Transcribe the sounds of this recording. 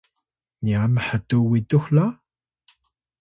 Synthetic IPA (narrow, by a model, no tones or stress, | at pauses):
niaməħətuwituxla